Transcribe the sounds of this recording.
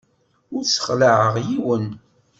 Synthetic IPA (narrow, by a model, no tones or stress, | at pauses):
ʊɾsə̥χləʕəʁjiwən